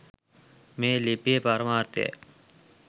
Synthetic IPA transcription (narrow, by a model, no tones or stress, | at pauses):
melepeːpaɾmaːɾt̪ḛː